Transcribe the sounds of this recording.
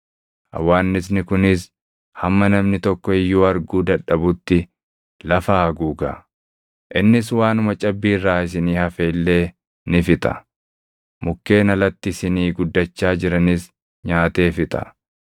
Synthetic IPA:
ʔɐ̰wːaːnːɪs̬nɪkʊnɪs | hɐmːɐnɐmnɪt̪ɔkːɔɪjːuːɐɾɡuːd̪ɐᶑɐbʊt̪ːɪ | lɐfaːɐɡuːɡɐ̰ | ʔɪnːɪs̬waːnʊmɐt͡ʃʼɐbːiːrːaːɪs̬ɪniːhɐfeːlːe̞ː | nɪfɪt̪ʼɐ̥̰ | mʊkːe̞ːnɐlɐt̪ːɪsɪniːɡʊd̪ːɐt͡ʃːaːd͡ʒɪɾɐnɪs | ɲaːt̪e̞ːfɪt̪ʼɐ̥̰

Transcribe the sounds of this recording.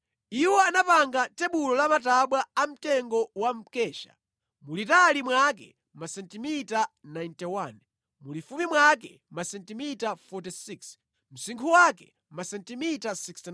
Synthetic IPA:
iwɔanapaŋɡatɛɓulɔlamataɓwaam̩tɛŋɡɔwam̩kɛːʃa̰ | mulitalimwakɛ̰ | masɛntimitanajntɛwan | mulifumimwak̬ɛ̰ | masɛntimitafɔtisiks | m̩siŋkʰuwakɛ | masɛntimitasikst

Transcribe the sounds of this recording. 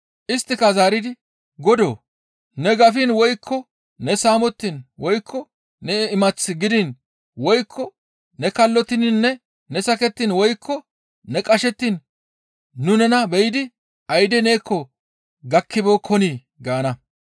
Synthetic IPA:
ʔɪst̪ːɪkɐzaːɾɪd̪ɪ | ɡɔd̪o̰ː | nɛɡɐfɪnwɔjkʰːɔ | nɛsaːmɔt̪ːinwɔjkʰːɔ | nɛɪmɐt͡sːɪɡɪd̪ɪn | wɔjkʰːɔ | nɛkɐlːɔt̪ːɪnɪnːɛ | nɛsɐkɛt̪ːinwɔjkʰːɔ | nɛkʼɐʃɛt̪ːiːnː | ʊnɛnɐbɛjɪd̪ɪ | ʔɐjd̪ɛne̞ːkʰːɔ | ɡɐkːɪboːkʰɔniː | ɡaːnɐ

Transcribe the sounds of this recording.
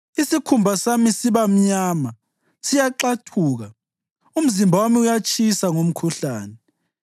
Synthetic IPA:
isikʰumbʱasamisiβam̩ɲaːma | sijaǃatʰuːɣa | um̩zimbʱawamiujat͡ʃʰʼisaŋom̩kʰuɬaːnɛ

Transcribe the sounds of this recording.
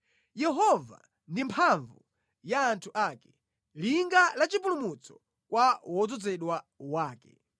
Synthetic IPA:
jɛɦɔva̰ | ndimpʰaɱvu | jaːntʰuʔaːkɛ̥ | liŋɡalat͡ʃipulumut͡sɔ̥ | kwawɔd͡zɔd͡zɛɗwa | waːkɛ

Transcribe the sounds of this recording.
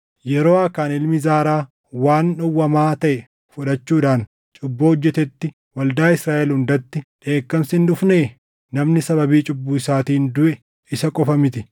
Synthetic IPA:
jɛɾoːɐkːaːnɪlmɪzaːɾaː | waːnːɔwːɐmaːt̪ɐʔɛ | fʊᶑɐt͡ʃːuːᶑaːn | t͡ʃʼʊbːoːɔd͡ʒːɛt̪ɛt̪ːɪ | wɐld̪aːɪsɾaːʔɛlhʊnd̪ɐt̪ːɪᶑe̞ːkːɐmsɪnᶑʊfneː | nɐmnɪsɐbɐbiːt͡ʃʼʊbːuːɪsaːt̪iːnd̪ʊʔɛ | ɪsɐkʼɔfɐmɪt̪ɪ

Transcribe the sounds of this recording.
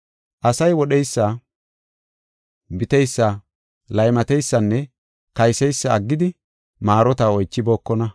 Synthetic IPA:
ʔɐsɐjwɔɗɛjsːa | bɪt̪ɛjsːɐ | lɐjmɐt̪ɛjsːɐnːɛ | kɐjsɛjsːɐːɡːɪd̪ɪ | maːɾɔt̪ɐɔjt͡ʃːɪbo̞ːkːɔnɐ

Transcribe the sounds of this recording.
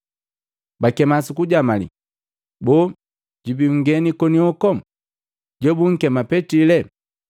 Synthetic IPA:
bakɛmasukuɟamalḭ | bɔ | ɟibiŋ̩ɡɛnikɔniɔkɔ | ɟɔbuŋ̩kɛmapɛtilɛ

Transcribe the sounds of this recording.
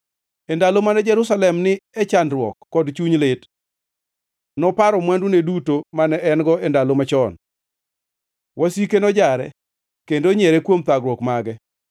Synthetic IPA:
ɛndalomanɛd͡ʒɛɾusalɛmnɪɛt͡ʃandɾwɔkːɔdt͡ʃuɲlɪt | nɔpaɾɔmwandunedutomanɛʔɛnɡɔɛndalomat͡ʃɔn | wasikenɔd͡ʒaɾɛ̰ | kendoɲɛɾɛkwomt̪aɡɾwɔkmaɡɛ

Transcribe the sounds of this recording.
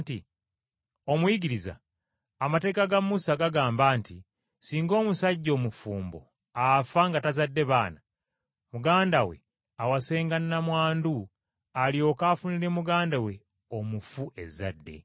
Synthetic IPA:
ti | o̞mujiɡiɾiza̰ː | mate̞ːkaɡamːusaɡaɡaːmbaːnti | siːŋɡo̞ːmusaɟːo̞ːmufuːmbo̞̰ | afaŋɡatazadːe̞βaːna | muɡaːndawe̞̰ | awase̞ːŋɡanːamwaːndu | aljo̞kaːfuniɾe̞muɡaːndawe̞ | omufuʔe̞za̰dːe̞̰

